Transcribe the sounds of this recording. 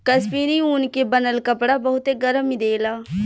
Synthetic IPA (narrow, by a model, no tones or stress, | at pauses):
kəspiːɾiuːnkebənəlkəpɽabəɦʊt̪eɡəɾəmid̪eːlaː